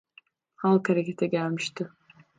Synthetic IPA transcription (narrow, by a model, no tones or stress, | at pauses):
halˠkʰaɾakʲet̪ʰaɡʲaːmʃt̪ʰɨ